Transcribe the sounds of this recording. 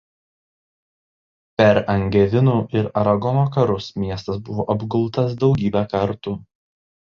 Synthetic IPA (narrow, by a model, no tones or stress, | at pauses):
pʲɛɾɐŋʲɡʲɛʋʲɪnuːʔɪɾɐɾɐɡɔnoːkɐɾʊsmʲiɛst̪ɐsbʊʋoːʔɐbɡʊlˠt̪ɐs̬d̪ɒʊɡʲiːbʲækɐɾt̪uː